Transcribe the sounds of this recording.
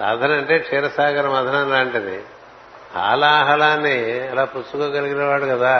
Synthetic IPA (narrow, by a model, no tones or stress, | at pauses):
a̰ːd̪ʱɐnɐɳʈeːt͡ʃʰeːɾɐsaːkʰɐɾɐmɐd̪ʱɐnɐnaːɳʈɐnḭ | a̰ːlaːɦɐlaːnːiɐlaːpusukoːɡɐliɡinɐʋaːɽukɐd̪aː